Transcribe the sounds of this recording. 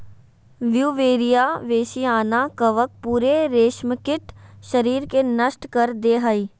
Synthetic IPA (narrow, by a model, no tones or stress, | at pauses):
ʋjuːʋeːɾijaːʋeːʃiaːnakɐʋək̚puːɾeɾeːʃməkɪʈʃɐɾiːɾkenɐʃʈkɐɾd̪eːɦəiː